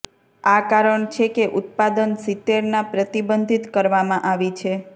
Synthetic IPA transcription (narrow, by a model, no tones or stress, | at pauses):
akaɾəɳt͡ʃʰekeʔʊt̪̚pad̪ənsit̪ːeɾnapɾət̪ibənd̪ʱit̪kəɾʋamãʔaʋit͡ʃʰe